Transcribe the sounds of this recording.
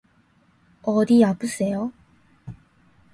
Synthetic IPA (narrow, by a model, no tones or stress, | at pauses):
ʌdiapus͈ejo